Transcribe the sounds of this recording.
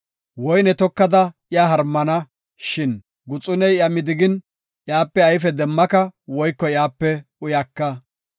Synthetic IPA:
wɔjnɛt̪ɔkːɐd̪ɐɪjaːɦɐɾmːɐnɐ | ʃɪn | ɡʊt͡sʼʊnɛjɐmɪd̪ɪɡɪn | ʔjaːpːɛɐjf̬ɛd̪ɛmːɐkɐwɔjkːɔɪjaːpːɛʊjɐkːɐ

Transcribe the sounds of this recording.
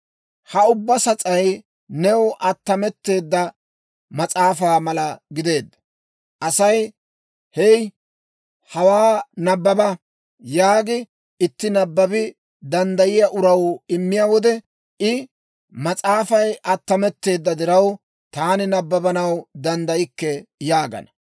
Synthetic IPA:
hɐʊbːɐsɐt͡sʼɐj | nɛwʔɐt̪ːɐmɛt̪ːe̞ːd̪ːɐ | mɐt͡sʼaːfaːmɐlɐɡɪd̪e̞ːd̪ːɐ | ʔɐsɐj | hɛj | hɐwaːnɐbːɐbɐ | jaːɡɪ | ɪt̪ːɪnɐbːɐbɪ | d̪ɐnd̪ɐjɪjaʔʊɾɐwɪmːɪjawɔd̪ɛ | ɪ | mɐt͡sʼaːfɐjʔɐt̪ːɐmɛt̪ːe̞ːd̪ːɐd̪ɪɾɐw | t̪aːnɪnɐbːɐbɐnɐwd̪ɐnd̪ɐjɪkːɛjaːɡɐ̰nɐ

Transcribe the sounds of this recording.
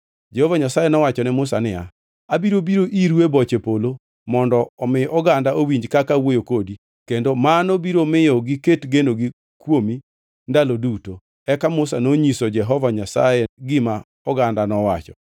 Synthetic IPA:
d͡ʒɛhɔvaɲasajenɔwat͡ʃɔnɪmʊsanɪa̰ | abiɾobiɾoʔiɾwebɔt͡ʃepolo | mɔndɔːmɪɔɡandaʔowiɲd͡ʒkakawojokodi | kendomanobiɾomɪjɔɡɪketɡenoɡi | kwomi | ndaloduto | ɛkamʊsanoɲisɔd͡ʒɛɦɔvaɲasa̰jeɡɪma | ɔɡandanɔwat͡ʃɔ̰

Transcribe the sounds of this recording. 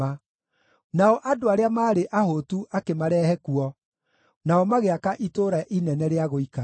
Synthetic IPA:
a | naɔʔadoaɾeamaːɾeʔahotuʔakemaɾɛːhɛkuɔ | naɔmaɣeakaʔitoɾaʔinɛnɛɾeaɣoika

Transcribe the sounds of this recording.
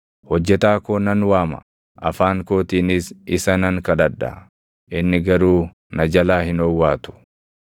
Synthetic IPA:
hɔd͡ʒːɛt̪aːkoːnɐnwaːmɐ̥̰ | ʔɐfaːŋko̞ːt̪iːnɪsɪsɐnɐŋkɐd̪ɐd̪ːɐ̰ | ʔɪnːɪɡɐɾuː | nɐd͡ʒɐlaːhɪnɔwːaːt̪ʊ̥

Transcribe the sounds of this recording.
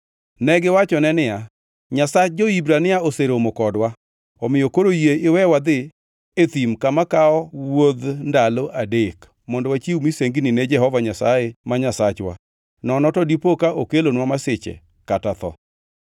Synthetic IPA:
nɛɡɪwat͡ʃɔnɛnɪja | ɲasat͡ʃ̚d͡ʒoibɾanɪjaoseɾomokɔdwa | ɔmɪjokoɾojeɪwɛwad̪ɪ | et̪imkamakaɔwod̪ndaloʔadek | mɔndɔwat͡ʃiumiseŋɡnɪnɛd͡ʒɛhɔvaɲasajemaɲasat͡ʃwa̰ | nɔnɔtɔdipokaʔokelonwamasɪt͡ʃḛ | katat̪ɔ̰

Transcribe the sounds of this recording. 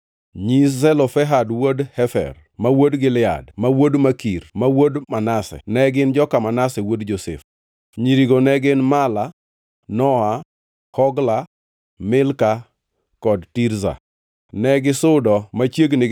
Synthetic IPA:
ɲiszɛlɔfɛɦadwodhɛfɛ̰r | mawodɡɪlɪa̰dmawodmakirmawodmanasɛ̰nɛɡɪnd͡ʒɔkamanasɛwodd͡ʒosɛ̰f | ɲiɾiɡonɛɡɪnmala | nɔa | kɔɡla | mɪlka | kɔdtiɾza̰ | nɛɡɪsʊdɔmat͡ʃjeɡnɪ

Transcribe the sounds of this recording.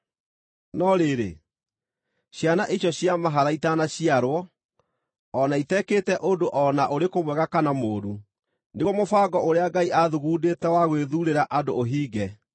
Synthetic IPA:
nɔɾeɾḛ | ɕjanaʔeɕjɔɕjamaɦaɾaitanaɕiaɾwɔ | naitɛkeːtɛʔodoʔɔnaʔoɾekomwɛɣakanamoːɾu | neɣɔmofaːɡɔʔoɾeaɡaiʔaðuɣuːdetɛwaɣweðuɾeɾaʔadoːɦiːɡɛ

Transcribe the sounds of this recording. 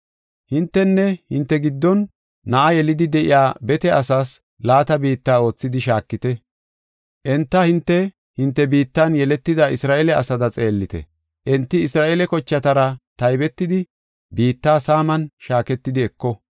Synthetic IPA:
hɪnt̪ːɛnːɛhɪnt̪ːɛɡɪd̪ːɔnː | ɐʔɐjɛlɪd̪ɪd̪ɛʔɪ̰jaːbɛt̪ɛɐsaːs | laːt̪ɐbiːt̪ːaːo̞ːt͡sːɪd̪ɪʃaːkːɪt̪ɛ | ʔɛnt̪ːɐhɪnt̪ːɛ | hɪnt̪ːɛbiːt̪ːɐnjɛlɛt̪ːɪd̪ɐɪsɾaːʔelɛɐsɐd̪ɐt͡sʼe̞ːlːɪt̪ɛ̰ | ʔɛnt̪ːɪɪsɾaːʔeːlɛkɔt͡ʃːɐt̪ɐɾɐt̪ɐjbɛt̪ːɪd̪ɪ | biːt̪ːaːsaːmɐnʃaːkɛt̪ːɪd̪ɪɛkːɔ

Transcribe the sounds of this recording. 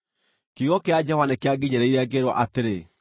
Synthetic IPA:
keɣɔkead͡ʑɛhwanekeaɡiɲɛɾɛiɾeaɡeɾwɔ̰ʔateɾe

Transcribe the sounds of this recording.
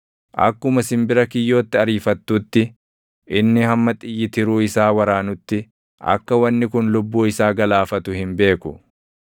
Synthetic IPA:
ʔɐ̰kːʊmɐsɪmbɪɾɐkɪjːo̞ːt̪ːɪɐɾiːfɐt̪ːuːt̪ːɪ | ʔɪnːɪhɐmːɐt̪ʼɪjːɪt̪ɪɾuːɪsaːwɐɾaːnʊt̪ːɪ | ʔɐ̰kːɐwɐnːɪkʊnlʊbːuːɪsaːɡɐlaːfɐt̪ʊhɪmbe̞ːkʊ̰

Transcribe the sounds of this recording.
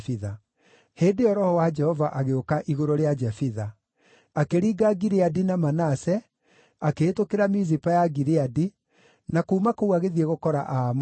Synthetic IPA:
fiða | heːndeɔɾɔhɔwad͡ʒɛhɔvaʔaɣeokaʔiɣoɾoɾead͡ʒɛfiða | akeɾiːɡaɡiɾeadinamanasɛ | akeːtokeɾamizipajaɡiɾeadi | nakuːmakouaɣeðieɣokɔɾa̰ʔam

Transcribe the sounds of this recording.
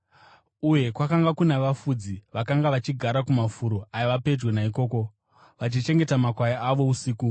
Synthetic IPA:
uje̞kwakaŋɡakunaʋafud͡ziʋakaŋɡaʋat͡ʃiɡʱaɾakumafuɾoajiʋape̞d͡ʒwe̞naiko̞ːko̞ | ʋat͡ʃit͡ʃe̞ŋɡe̞tamakwajaaʋo̞usiːku

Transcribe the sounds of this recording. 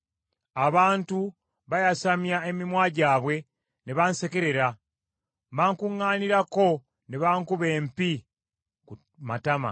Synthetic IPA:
aβaːntu | βajasamjae̞mimwaːɟaːβwe̞ | ne̞βanse̞ke̞ɾe̞ɾa | baːŋkuŋːaːniɾako̞ | ne̞βaːŋkuβe̞ːmpi | ku | matama̰

